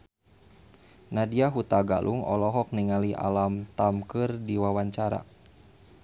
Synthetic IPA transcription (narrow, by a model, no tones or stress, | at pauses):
nadiaɦut̪aɡa̰lʔṵŋɔ̰lɔɦɔk̚niŋalia̰lamt̪amkɨrdiwawaɲt͡ʃaɾa̰